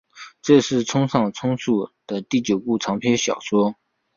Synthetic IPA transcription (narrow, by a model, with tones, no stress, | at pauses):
ʈ͡ʂɤ˥˧ʂɻ̩˥˩t͡sʰʊ˥ŋʂɑ˥˩ŋt͡sʰʊ˥ŋsu˥˩d̪̥ə˨t̪i˥˩t͡ɕjo˨˩ʊpu˥˩ʈ͡ʂʰɑ˧˥ŋpʰjɛ˥nɕjɑ̰˨˩ʊʂwɔ˥